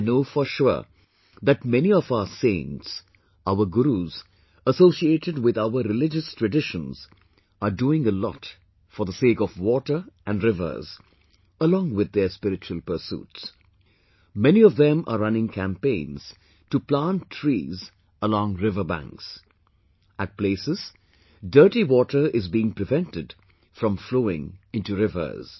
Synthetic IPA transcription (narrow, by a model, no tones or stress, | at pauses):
noːfəʃʊ | ðæʈmɛniɔvaʊəsẽɪnts | aʊəɡuɾuz | əsoːsieːʈɪɖwɪd̪aʊəɾɪlɪd͡ʒəstʰɹɨɖɪʃə̃nz̥ | əɖuːɪ̃ŋəlɔ̰t | fɔɾðəseːkɔvwɔʈə˞ʔæ̃nɖɾɪvə̰˞z | əlɔ̃ːŋwɪd̪̚ːəspɪɾɪt͡ʃuəlˠpəsṵːts | mɛniɔvðɛ̃mʔə̰ɾʌ̃nɪ̃ŋkʰæ̃mpẽɪ̃nz̥ | tuplãntʰɹḭːz | əlɔ̃ːŋɾɪvə˞bæ̰̃ŋks | æt̚pleːsɪz̥ | də˞ʈiwɔːʈə˞ɪzbiɪ̃ŋpɾɪvɛ̃ntɪd | fɾɔ̃mfloːɪ̰̃ŋɪ̃ntuɾɪvə̰˞z̥